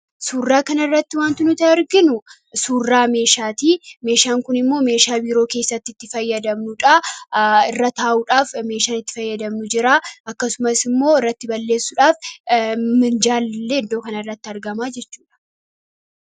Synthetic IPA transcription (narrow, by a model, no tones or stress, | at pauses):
suːrːaːkɐnɐɪrːɐt̪ːɪwaːnt̪ɪnʊt̪ɐɐɾɡɪnʊ | suːrːaːme̞ːʃaːt̪iːme̞ːʃaːŋkʊnɪmːo̞ːme̞ːʃaːbiːɾo̞ːke̞ːsːɐt̪ːɪt̪ːɪfɐjːɐd̪ɐmnʊᶑa | ɪrːɐt̪aːʔuːᶑaːfme̞ːʃaːnɪt̪ːɪ̥fɐjːɐd̪ɐmnʊd͡ʒɪɾaːʔɐkːɐsʊmɐsɪmːo̞ːɪrːɐt̪ːɪbɐlːe̞ːsːʊᶑaːf | mɪnd͡ʒaːllːeːd̪o̞ːkɐnɐɪrːɐt̪ːɪɐɾɡɐmaːd͡ʒɛt͡ʃːuːᶑɐ̥